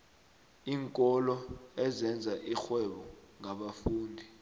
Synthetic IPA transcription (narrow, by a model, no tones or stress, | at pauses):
iːŋkʼɔlɔɛzɛnd͡zʱaʔixwɛɓɔŋaɓafuːndʱi